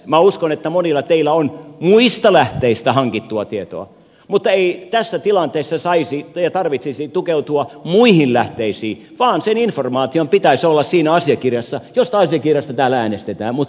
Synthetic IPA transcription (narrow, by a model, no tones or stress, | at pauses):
mæuskonet̪ːæmonilːˑɑt̪eilːˑæonmuist̪ɑlæht̪eist̪æhɑŋkit̪ːuɑt̪iet̪o̰ɑ̰ | mut̪ːɑeit̪æsːæt̪ilɑnt̪eːsːɑsɑisijɑt̪ɑrʋit̪sisit̪ukeut̪uɑmuihinlæht̪eisiː | ʋɑːnseninformɑːt̪iompit̪æisolːɑssiːnæɑsiɑkirjɑsːɑjost̪ɑɑsiɑkirjɑst̪ɑt̪æːlææːnest̪et̪æːmmut̪